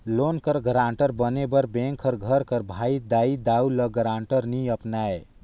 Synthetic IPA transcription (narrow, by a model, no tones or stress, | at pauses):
lonkəɾɡəɾãɳʈəɾbənebəɾbẽŋkʰəɾɡʱəɾkəɾbʱaid̪aid̪auləɡəɾaɳʈəɾniəpnae